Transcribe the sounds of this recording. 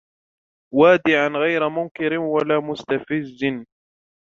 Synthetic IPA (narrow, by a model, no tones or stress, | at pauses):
waːd̪ɪʕanɣajɾamʊnkɪɾɪwalaːmʊst̪afɪzːɪn